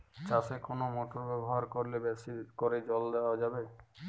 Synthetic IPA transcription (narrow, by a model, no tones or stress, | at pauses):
t͡ɕasekonomɔʈoɾbɛboɦaɾkoɾlebɛsikoɾed͡ʑɔld̪eoad͡ʑabe